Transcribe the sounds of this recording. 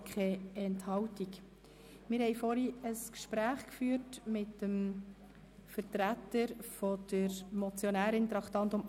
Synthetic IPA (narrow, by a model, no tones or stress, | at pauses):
kχɛɛnthɑwtik | mɪɾhɛɪfɔɾiəskʃpɾæːχkfyːɾtmɪtːəm | fəɾtɾætəɾfɔd̪̥əɾmɔt͡sjonæːɾɪnt̪ɾɑktɑnt̪ʊm